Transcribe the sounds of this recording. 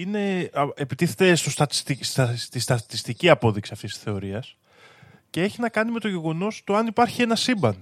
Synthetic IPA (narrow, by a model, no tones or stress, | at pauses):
ine̞epit̪iθe̞t̪e̞st̪ost̪ɐt̪i̥st̪ist̪ɐt̪ist̪ɐt̪ist̪iciɐpo̞ðiksiɐft̪isi̥sθe̞o̞ɾiɐs | ceeçinɐkɐnime̞t̪o̞ʝe̞ɣo̞no̞st̪oɐnipɐɾçie̞nɐsimbɐn